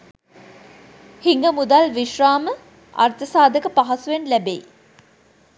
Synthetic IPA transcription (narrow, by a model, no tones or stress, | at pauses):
hiŋɡəmud̪alʋiʃraːmə | a̰rt̪əsaːd̪əkəpaɦasuʋenlæbḛj